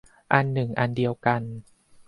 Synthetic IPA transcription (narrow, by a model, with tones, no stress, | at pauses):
ʔa˧nːɯ˨˩ŋʔa˧ndi˧əwka˧n